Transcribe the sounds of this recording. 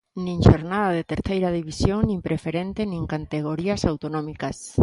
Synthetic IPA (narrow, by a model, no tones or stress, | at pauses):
nĩŋʃoɾnaðaðet̪eɾθejɾaðiβisjoŋnĩmpɾefeɾent̪enĩŋkant̪eɣ̞oɾiasawt̪onɔmikas